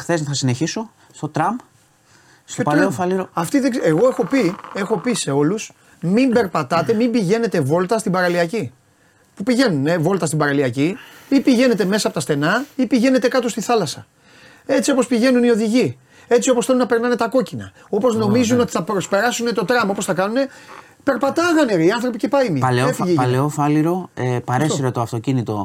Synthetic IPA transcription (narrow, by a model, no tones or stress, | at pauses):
xθesθɐsine̞çiso̞ | st̪ot̪ɾɐmb | st̪otpɐofɐliɾoɐft̪iðeseɣo̞e̞xo̞pie̞xo̞pise̞o̞lus | mimbe̞ɾpɐt̪ɐt̪e̞mimbiʝe̞net̪e̞vo̞lt̪ɐst̪ibɐɾɐliɐci | pupiʝe̞nunevo̞lt̪ɐst̪ibɐɾɐliɐciipiʝe̞ne̞t̪e̞me̞sɐpo̞t̪ɐst̪e̞nɐipiʝe̞ne̞t̪e̞kɐt̪o̞st̪iθɐlɐsɐ̰ | e̞t͡sio̞po̞spiʝe̞nunio̞ðiʝi | e̞t͡sio̞posθe̞lunɐpe̞ɾnɐne̞t̪ɐko̞cinɐ̰ | o̞po̞zno̞mizuno̞t̪i̥θɐpɾo̞spe̞ɾɐsune̞t̪o̞t̪ɾɐmɐo̞posθɐkɐnune̞ | pe̞ɾpɐt̪ɐɣɐneɾiɐnθɾo̞pice̞pɐimiɐleoefiʝipɐleofɐliɾo̞epɐɾesiɾot̪oɐft̪o̞cinit̪o̞̰